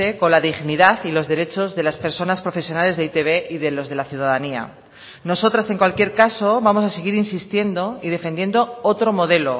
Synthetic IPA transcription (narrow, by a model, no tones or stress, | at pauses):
e̞ko̞nlaðiɣniðaθilo̞zðe̞ɾe̞t͡ʃo̞zðe̞laspe̞ɾso̞naspɾo̞fe̞sjo̞nale̞zðeit̪e̞βe̞iðe̞lo̞zð̞e̞laθjuðaðania̰ | no̞so̞t̪ɾase̞ŋkwalkje̞ɾkaso̞βamo̞saseɣ̞iɾinsist̪je̞nd̪o̞iðe̞fe̞nd̪je̞nd̪oot̪ɾo̞mo̞ð̞e̞lo